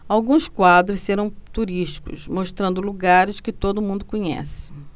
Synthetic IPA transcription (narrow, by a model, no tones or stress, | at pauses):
awɡũskwad̪ɾʊsseɾɐ̃w̃t̪uɾiʃt͡ʃi̥kʊ̰smoʃt̪ɾɐ̃nd̪ʊluɡaɾɪskɪt̪od̪ʊmũnd̪ʊkõɲɛ̰sɪ̥